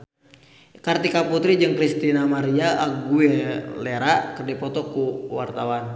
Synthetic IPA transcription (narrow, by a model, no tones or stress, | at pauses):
kart̪ikaput̪ɾid͡ʒɨŋkɾist̪inamaɾiaʔːɡueleɾakərdipɔt̪ɔkuwa̰rt̪awan